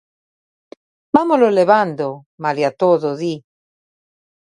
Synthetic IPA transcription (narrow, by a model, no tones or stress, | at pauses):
bamololeβand̪o | maliat̪oðoði